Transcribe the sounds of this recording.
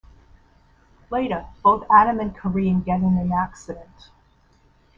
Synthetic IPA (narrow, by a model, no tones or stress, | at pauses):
leɪɾə˞b̥oʊθæɾɨ̃mɨ̃nkʰə˞iɨ̃nɡɛɾɪ̃ŋðiæksɨɾɨ̃nt